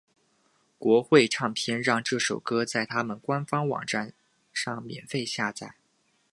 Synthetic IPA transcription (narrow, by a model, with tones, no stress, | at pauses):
kwɔ˧˥xwe˥˧ɪʈ͡ʂʰɑ˥˩ŋpʰjɛ˥nɻɑ˥˧ŋʈ͡ʂɤ˥˩ʂo˨˩ʊkɤ˥t͡sa˥˩ɪt̪ʰa˥mə˨nkwa˥nfɑ˥ŋwɑ̰˨˩ŋʈ͡ʂa˥˧n | ʂɑ˥˩ŋmjɛ̰˨˩nfe˥˧ɪɕja˥˧t͡sa˥˩ɪ